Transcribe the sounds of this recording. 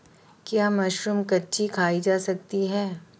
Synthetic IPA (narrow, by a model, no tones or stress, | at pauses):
kjaːmaːʃɾəmkɐtːʃikʰaːid͡ʒaːsɐk̚t̪iɦɛː